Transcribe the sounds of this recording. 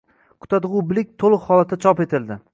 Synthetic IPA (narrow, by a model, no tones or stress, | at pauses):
kʰʊ̥t̪ʰad̪ʁʊbɪlɪk̚ʲt̪ʰolˠɨqhɒlˠat̪ʰːat͡ʃʰɒpe̞t̪ʰɪld̪ɪ